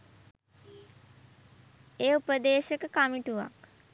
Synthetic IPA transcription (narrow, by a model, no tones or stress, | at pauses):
eːupəd̪eːʃəkəkamiʈuʋa̰k